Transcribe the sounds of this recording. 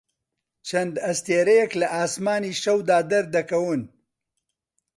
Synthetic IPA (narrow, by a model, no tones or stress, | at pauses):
t͡ʃʰɐnd̪ɐst̪eːɾɐjɛklɐʔaːsmaːniːʃɐwd̪aːd̪ɐɾd̪ɐkɐwɨn